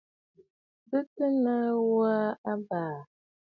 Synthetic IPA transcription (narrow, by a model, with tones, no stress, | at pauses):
bə˦tə˦nə˦wa˦a˦baː˨